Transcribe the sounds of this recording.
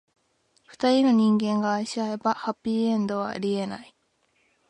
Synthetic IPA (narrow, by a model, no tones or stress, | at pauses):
ɸɯ̟̥t̪aɾʲino̞ɲ̟ĩŋɡẽ̞ŋɡaːiɕiae̞bahapʲːiːẽ̞nd̪o̞β̞a̰ɾʲie̞na̰i